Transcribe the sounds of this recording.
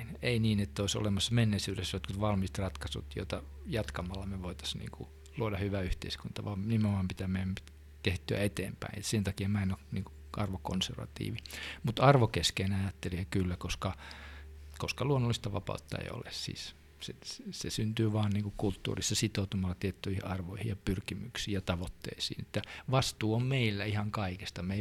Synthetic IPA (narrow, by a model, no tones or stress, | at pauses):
neiniːnet̪ːæoiso̰lemɑsːɑmenːeisyːɾesːjot̪kut̪ʋɑlmist̪rɑt̪kɑsṵt̪jo̰t̪ɑ | jɑt̪kɑmɑlːɑmeʋoit̪ɑ̥snḭːŋkṵ | luodɑhyʋæyht̪ḛiskunt̪ɑʋɑːmnimeomɑmpit̪æmeæm | t̪eht̪yæ̰et̪ḛːmpæ̰inet̪sent̪ɑkiemɑinoniːŋku̥ | ʔɑrʋoko̰nserʋɑ̰t̪ḭːʋimut̪ɑrʋokeskeːnɑjɑt̪ːeliɑkylːækoskɑ | koskɑluonːolːist̪ɑʋɑ̰pɑ̰ut̪ːɑ̰ḛio̰lḛssḭːs | sessesynt̪yːʋɑːnniːŋkukult̪ːṵːrisːɑsit̪out̪umɑlːɑt̪iet̪ːyihiɑrʋoihijjɑpyrkimyksiːjɑt̪ɑʋot̪ːḛisḭːnet̪ːæʋɑst̪uːommeilːæihɑŋkɑikest̪ɑmei